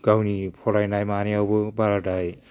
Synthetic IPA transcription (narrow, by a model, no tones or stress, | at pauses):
ɡ̥awnipʰɔɾajnajmaniawbɯbaɾadaj